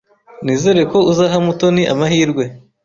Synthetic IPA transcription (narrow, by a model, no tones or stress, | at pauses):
niːze̞ɾe̞ko̞uzaɦamuto̞niʔa̰mahiːɾɡwe̞